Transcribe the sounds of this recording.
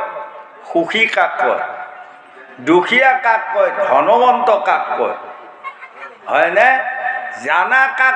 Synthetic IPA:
xuxʰikakːɔ̰j | dukʰijakakːɔjdʱɔnɔbɔntɔkakːɔ̰j | ɦɔjnɛ | zanaka

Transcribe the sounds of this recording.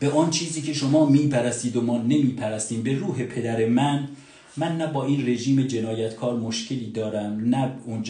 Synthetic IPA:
b̥eʔɒːnt͡ʃʰiːziːkcʰe̞ʃo̞mɒːmiːpʰæɾæst̪iːd̪omɒːne̞miːpʰæɾæst̪iːmbe̞ɾuːɦe̞pʰe̞d̪æɾe̞mæn | mænːæbɒːiːnre̞ʒiːme̞d͡ʒe̞nɒːjæt̪kʰɒːɾmoʃcʰe̞liːd̪ɒːɾæmnæund͡ʒ

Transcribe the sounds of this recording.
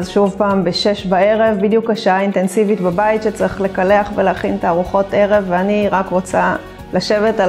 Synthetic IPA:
zʃuvpaːmbeʃe̞ʃbae̞ʁe̞vbid̪jukhaʃaaint̪e̞nsivitbabaitʃet͡siχle̞kaleaχveleaχint̪aːʁuχo̞te̞ʁe̞veaniʁakʁot͡sa | laʃe̞veta

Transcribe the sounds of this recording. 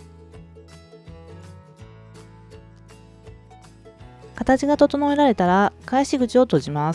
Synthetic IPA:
kat̪at͡ɕiɡat̪o̞t̪o̞no̞eɾaɾe̞t̪aɾakaiɕiɡɯt͡ɕio̞t̪o̞ʑimas

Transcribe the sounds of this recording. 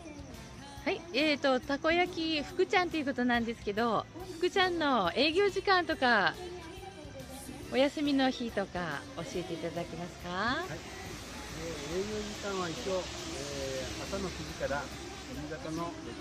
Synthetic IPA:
haieːt̪o̞t̪ako̞jakʲiɸɯ̟̥kɯ̟t͡ɕãnt̪o̞iɯ̟ko̞t̪onãnd̪e̞sɨ̥ke̞d̪o̞ɸɯ̟̥kɯ̟t͡ɕãnːo̞e̞ːɡʲo̞ːʑikãnt̪o̞ka | o̞jasɨmʲino̞çit̪o̞kao̞ɕie̞t̪e̞it̪aaakʲimasɨ̥kahai | eeːɡʲo̞ːʑikãɰ̃βait͡ɕo̞ | eemat̪anokɯɡikaɾa | mizat̪ano

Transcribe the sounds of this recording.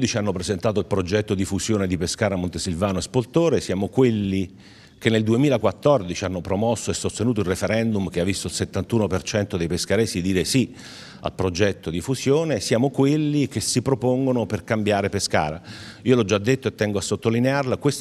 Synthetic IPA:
d̪it͡ʃianːopɾezent̪aːt̪oilpɾod͡ʒɛt̪ːod̪ifuzjoːned̪ipeskaːɾamont̪esilvaːnoespolt̪oːɾesjaːmokwelːi | kenːeld̪uemiːlakwat̪ːɔrd̪it͡ʃianːopɾomɔsːoesːost̪enuːt̪oilrːefeɾɛnd̪umk̟eavːist̪oilset̪ːant̪uːnopert͡ʃɛnt̪od̪ejpeskaɾɛsid̪iːɾesi | a̰lpɾod͡ʒɛt̪ːod̪ifusjoːnesjaːmokwelːik̟esːipɾopoŋɡonoperkambjaːɾepeska̰ːɾaiːolɔd͡ʒːad̪ːet̪ːoet̪ːɛŋɡoasːot̪ːolinearlakwes

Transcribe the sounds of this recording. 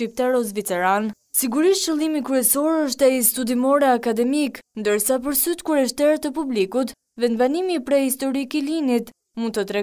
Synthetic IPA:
ip̚t̪aɾɔzvit͡sɛɾan | siɡuɾiʃt͡ʃilˠimikɾyɛsɔɾəʃt̪ɛist̪ud̪imɔɾɛakad̪ɛmiknd̪əɾsap̬əɾsyt̪kuɾɛʃt̪ɛɾt̪əpublikut̪ | vɛnvanimipɾɛhist̪ɔɾikilinit̪ | mund̪t̪ət̪ɾɛ

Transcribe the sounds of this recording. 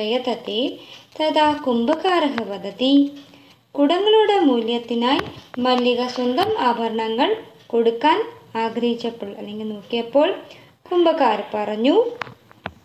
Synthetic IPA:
ɐjɐt̪ɐt̪ːet̪ɐðaːkumbɐkaːɾɐɦɐʋɐd̪ɐt̪i | kuɽɐŋɡɐɭuɽemuːljɐt̪ːinaːjmɐlːiɣɐswɐnd̪ɐmaːbʱɐɾɐɳɐŋːɐɭko̞ɽukːaːnaːɡɾɐhit͡ɕːɐpːɐɭɐ̰lːe̞ŋɡilnoːkːijɐpːo̞ːɭ | kumbɐkaːɾpɐrɐɲːu

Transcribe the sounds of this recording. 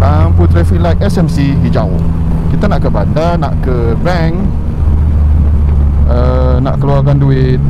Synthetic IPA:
lamput̪ɾɛfiʔlajkɛsɛmsiɦid͡ʒaʊ̰ | kit̪anaʔkəbandanaʔkə | bɛŋ | ə | na̰ʔkəluarkanduɪt̪̚

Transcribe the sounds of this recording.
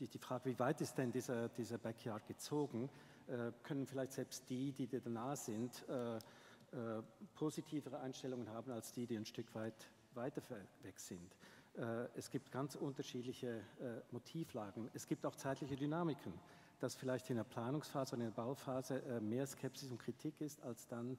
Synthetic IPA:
d̥iːfʁ̥aːɡəviːvaɪtɪst̚d̥ɛndiːzɐd̥iːzɐbɛkʰjaːɐd̚ɡ̥ət͡soːɡŋ̩ | ʔɛːkʰœnənfɪlaɪçtz̥ɛlpstd̥iːdiːdɛdanaːəz̥ɪntɛː | ʔɛːpʰozitʰiːvəʁəaɪnʃtɛlʊŋənhaːbn̩alsd̥iːdiːaɪnʃtʏkʰv̥aɪt | vaɪtɐvɛkz̥ɪntʔɛːɛsɡ̥iːp̚tɡ̥ant͡sʔʊntɐʃiːdlɪçəɛːmotʰiːflaːɡŋ̩ɛsɡ̥iːp̚taʊxt͡saɪtlɪçədynaːmɪkʰən | d̥asfɪlaɪçtɪndeːɐpʰl̥aːnʊŋsfaːzəoːdɐɪndɐbaʊfaːzəʔɛːmeːɐskʰɛpsɪsʊntkʁ̥itʰikɪstalsd̥an

